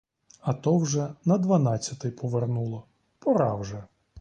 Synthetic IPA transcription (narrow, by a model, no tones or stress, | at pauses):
ɐt̪ɔwʒɛnɐd̪ʋɐnɑt͡sʲːɐt̪ɪjpʰɔʋernulˠɔ | pɔɾɑwʒɛ